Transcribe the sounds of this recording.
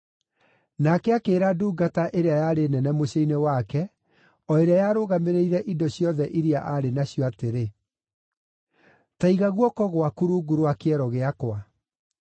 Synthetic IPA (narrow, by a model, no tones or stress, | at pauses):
nakɛakeːɾaduːɡataʔeɾeajaɾenɛnɛmoɕeinewakɛ | ɔeɾeajaɾoːɣameɾeiɾɛʔidɔɕjɔðɛʔiɾiaʔaɾenaɕjɔateɾe | taiɣaɣwɔkɔɣwakuɾuːɡuɾoakeɛɾɔɣeakwa